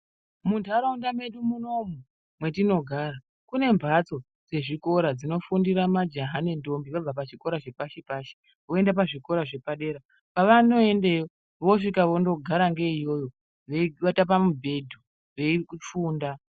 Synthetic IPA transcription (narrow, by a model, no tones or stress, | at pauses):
muntʰuaɾaundame̞ɗumuno̞mu | mwe̞tino̞ɡʱaːra | kune̞mbʱat͡so̞ | d͡ze̞ʐiko̞ɾad͡zino̞fundiɾamad͡ʒaɦanendo̞mbiʋab͡vapat͡ʃiko̞ɾaʐe̞paʃepaːʃe̥ | o̞endapaʐiko̞ɾaʐe̞paɗe̞ɾa | paʋano̞endejo | ʋo̞ʂikaʋo̞ndo̞ɡʱaɾaŋɡeijo̞jo̞ | ʋeʋatap̬amubʱe̞dʱu | ʋe̞ikufuːnda